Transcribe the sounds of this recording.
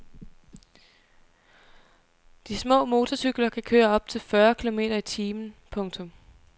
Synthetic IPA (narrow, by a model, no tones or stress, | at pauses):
d̥ismɔ̰̽ːmo̝ːt͡sʰɒsyɡ̥lɐkʰækʰøːɐɒ̽b̥̚t͡sʰe̝lfɶɐkʰilo̝me̝̰ːɾɐit͡sʰiːmn̩pʰɔ̽ŋt͡sʰɔ̽m